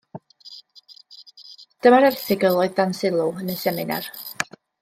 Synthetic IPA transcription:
d̥əmaɾɛrθɪɡəlˠɔɨðdansɪlˠuənəsɛmɪna̰r

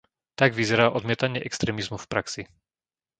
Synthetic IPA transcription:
t̪aɡʋizɛɾaːʔɔd̪mɪɛt̪aɲɪɛʔɛkst̪ɾɛːmizmufpɾaksi

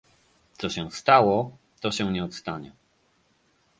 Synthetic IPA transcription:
t̪sɔɕɛ̃st̪awɔ | t̪ɔɕɛ̃ɲɛɔt̪st̪aɲɛ̰

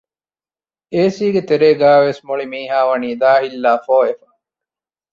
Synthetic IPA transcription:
eːsiːɡet̪eɾeːɡæːʋesmoɭimiːɦaːʋɐniːd̪aːɦilːaːfoːefɐ

